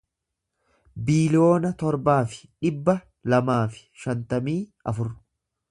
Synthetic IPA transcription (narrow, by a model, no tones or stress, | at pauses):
biːlɪjo̞ːnɐt̪ɔɾbaːfɪ̥ᶑɪbːɐ | lɐmaːfɪ̥ʃɐnt̪ɐmiːɐfʊrʊ̥